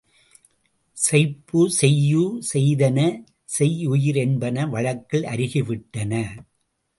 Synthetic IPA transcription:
sɐɪpːɯsɛjːusɛjðɐnɐ | sɛjʊjɪɾɛnbɐnɐʋɐɻɐkːɪɭʔɐ̰ɾɪɣɪʋɪʈːɐnɐ

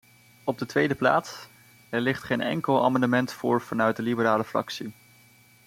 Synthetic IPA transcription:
ɔb̚dətʋejdəpla̰ːts | ɛɹlɪχtχejnʔɛ̰ŋkəlˠa̰ːmɑndəmɛntfʊːɹv̥ɑnœɥt̚dəlibəɾaːləfrɑ̰ksi

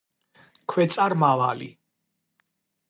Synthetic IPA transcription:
kʰwɛt̪sʼaɾmavalḭ

